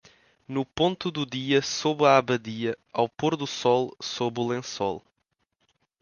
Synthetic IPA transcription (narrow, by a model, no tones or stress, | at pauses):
nupõnt̪uðuðiɐsoβaaβɐðiɐawpoɾðusɔlˠsoβulˠẽsɔ̰lˠ